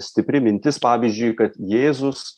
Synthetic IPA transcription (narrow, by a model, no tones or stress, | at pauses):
sʲt̪ʲɪpʲɾʲɪmʲɪnʲt̪ʲɪspɑːʋʲiːzʲd͡ʒʲʊɪjkɐt̪jeːzʊs